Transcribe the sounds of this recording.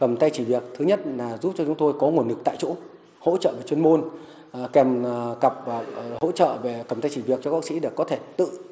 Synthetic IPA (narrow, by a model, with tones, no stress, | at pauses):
kə˨˩mt̪a˧jt͡ɕi˧˩vi˨˩ək̚t̪ʰɨ˨˦ɲə˦˥t̚laː˨˩zu˦˥p̚t͡ɕɔ˧t͡ɕʊ˨˦ŋ͡mt̪o˧jkɔ˨˦ŋu˨˩ənlɨ˨˩kt̪a̰ː˧˨jt͡ɕo̰˧˥ | ho̰˧˥t͡ɕə̰ː˧˨ve˨˩t͡ɕwənmo˧n˨˩ | kɛ˨˩mkə˨˩p̚ːho̰˧˥t͡ɕə̰ː˧˨ve˨˩kə˨˩mt̪a˧jt͡ɕi˧˨˩vi˨˩ək̚t͡ɕɔ˧ɓaː˦˥ksḭ˧˥ɗe˨˩kːɔ˨˦t̪ʰe˧˩t̪ɨ̰˧˨